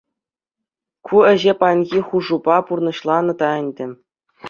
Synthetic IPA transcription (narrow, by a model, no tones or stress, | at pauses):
kʰuɘ̆ʑepɑnʲɣʲiχuʐubɑpurnɤ̆ɕlˠɑnɤ̆t̪ɑɘ̆nʲdʲɘ̆